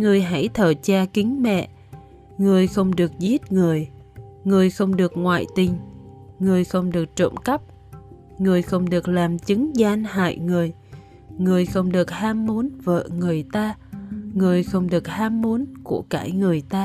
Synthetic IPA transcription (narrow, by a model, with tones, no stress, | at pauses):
ŋɨ˨˩əjɦa˧˩jt̪ʰəː˧˨˩t͡ɕaː˧kï˨˦ŋ̟mɛ̰˧˨ | ŋɨ˨˩əjxə˧wŋ͡mɗɨ˨˩ək̚zi˦˥t̚ŋɨ˨˩əj | ŋɨ˨˩əjxə˧wŋ͡mɗɨ˨˩ək̚ŋwa̰ː˧˨jt̪ï˨˩ŋ̟ŋɨ˨˩əjxə˧wŋ͡mɗɨ˨˩ək̚t͡ɕo̰˧˨mkə˦˥p̚ | ŋɨ˨˩əjxə˧wŋ͡mɗɨ˨˩ək̚laː˨˩mt͡ɕɨ˨˦ŋzaː˧nha̰ː˧˨jŋɨ˨˩əj | ŋɨ˨˩əjxə˧wŋ͡mɗɨ˨˩ək̚haː˧mːu˨˦ənvə̰ː˧˨ŋɨ˨˩əjt̪aː˧ŋɨ˨˩əjxə˧wŋ͡mɗɨ˨˩ək̚haː˧mːu˨˦nku˧˩əka̰ː˧˩jŋɨ˨˩əjt̪aː˧